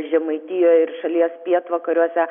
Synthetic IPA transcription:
ʒʲɛmɐɪt̪ʲɪjoːjɪɾʃɐlʲiɛspʲiɛt̪ʋɐkɐɾʲuɔsʲɛ

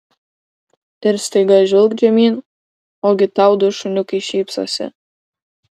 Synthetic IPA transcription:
t̪ʲɛɾst̪ejɡɑʒɪlˠkd͡ʒɛmʲin | oɡʲɪt̪ɑwd̪oʃʊnʲʊkiʃiːpsɑ̰sʲɪ̰

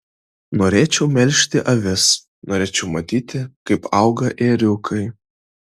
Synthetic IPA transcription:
noːɾʲeːt͡ʃʲɛʊmʲɛlʲʃʲt̪ʲɪʔɐʋʲɪs | noːɾʲeːt͡ʃʲɛʊmɐt̪ʲiːt̪ʲɪkɐɪpɑˑʊɡɐʔeːɾʲʊkʰɐɪ

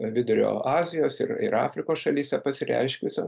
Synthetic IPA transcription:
ʋʲɪd̪ʊɾʲo̰ːɑːzʲɪjoːsɪ̰rɪ̰ɾɑ̰ːfʲɾʲɪkoːsʃɐlʲiːsʲɛpɐsʲɪɾʲɛ̰ɪʃʲkʲusʲɛ

